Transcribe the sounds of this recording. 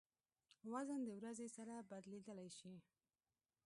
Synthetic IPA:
wazənd̪əwɾazesaɾabad̪led̪əlajʃi

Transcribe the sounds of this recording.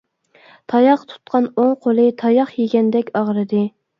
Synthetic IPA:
t̪ʰɑjɑqt̪ʰu̥t̪qʰɑnoŋqʰolˠɨt̪ʰɑjɑχjeɡʲɛnd̪ɛkʲɑʁɾɨd̪ɨ

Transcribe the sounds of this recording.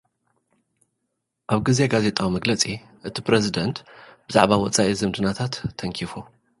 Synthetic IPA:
ʔaβɡizeɡaze̞t̪ʼawimɐɡlɐt͡sʼi | ʔɨt̪ʰipɾezid̪ɐnt̪bɨza̰ʕbawɔt͡sʼaʔizɨmd̪ɨnat̪ʰat̪ʰːɐŋkʰifo

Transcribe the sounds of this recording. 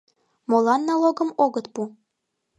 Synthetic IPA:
molˠɑnːɑlˠoɡɤ̆moɡɤ̆t̪pu

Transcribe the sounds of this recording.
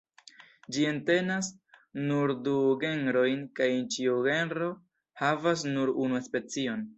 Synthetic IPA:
d͡ʒie̞nte̞nasnuɾduɡe̞nɾo̞jnkajent͡ʃiuɡe̞nɾo̞ | havas̬nuɾunuespe̞t͡sio̞n

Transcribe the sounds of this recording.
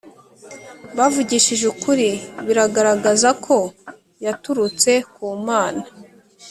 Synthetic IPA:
βavuɟiʃiʒukuɾiβiɾaɡaɾaɡazakʰo̞ | jatuɾut͡se̞kuːmaːna

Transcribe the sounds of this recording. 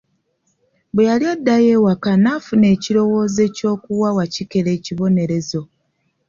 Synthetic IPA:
bwejaliadːaje̞ːwakanafune̞ːciɾo̞wo̞ːze̞ːco̞ːkuwawacike̞le̞ːciβo̞ne̞ɾe̞zo̞

